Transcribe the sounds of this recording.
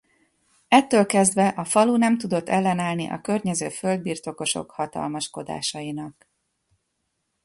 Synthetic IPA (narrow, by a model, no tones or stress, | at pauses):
ɛt̪ːøːlkɛzd̪vɛʔɒfɒlunɛmt̪ud̪o̞t̪ːɛlːɛnaːlnḭʔɒ̰kørɲɛzøːfø̞ld̪̚biːrt̪o̞ko̞ʃo̞̰khɒt̪ɒ̰lmɒʃko̞d̪a̰ːʃɒjinɒk